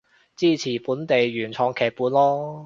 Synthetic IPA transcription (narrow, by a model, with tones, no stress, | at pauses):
t͡siː˥˩t͡sʰiː˨˩puː˨˥nt̪e˨jɥyː˨˩nt͡sʰɔː˨˧ŋkʰɛː˨˩k̚puː˨˧nlɔː˥